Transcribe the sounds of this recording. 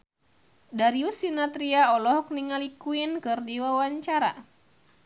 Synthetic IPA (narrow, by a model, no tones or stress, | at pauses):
daɾiusinat̪ɾiaɔlɔɦɔk̚niŋalikuinkɨrdiwawaɲt͡ʃaɾa